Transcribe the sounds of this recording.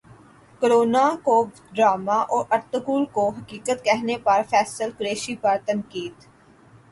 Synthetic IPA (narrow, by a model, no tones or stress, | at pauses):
koɾoːnako | ɖɾaːmaʔɔːɾɐɾt̪ʊkuːlkoɦɐkiːkət̪kɛɦnepɐɾfʰɛːsəlkʊɾeːʃipɐɾt̪ɐ̃ŋkiːd̪